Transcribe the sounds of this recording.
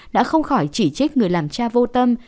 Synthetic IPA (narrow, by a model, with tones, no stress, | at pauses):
ɗa̰ː˧˥xə˧wŋ͡mxɔ˧˩jt͡ɕi˧˩t͡ɕi˦˥k̚ŋɨ˨˩əjlaː˨˩mt͡ɕaː˧vo˧t̪ə˧m